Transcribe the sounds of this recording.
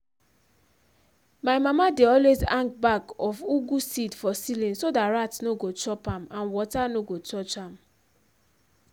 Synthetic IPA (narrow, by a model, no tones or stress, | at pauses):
maɪmamadeɔlwezãŋkbakɔfuɡusidfɔsilĩnsodatɹatnoɡot͡ʃɔpãmãnwɔtanoɡot͡ʃɔt͡ʃãm